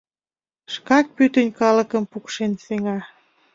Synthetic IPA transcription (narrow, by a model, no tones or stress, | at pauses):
ʃkɑk̚pyt̪ənʲkɑlə̆kə̆mpukʃenseŋɑ